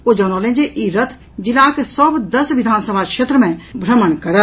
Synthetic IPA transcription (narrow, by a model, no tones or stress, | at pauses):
od͡ʒɔnolẽnd͡ʒeʔiɾət̪ʰ | d͡ʒilakesəbd̪əsʋid̪ʱaːnsəbʱakʃeːt̪ɾəmẽbʱɾəmənkəɾə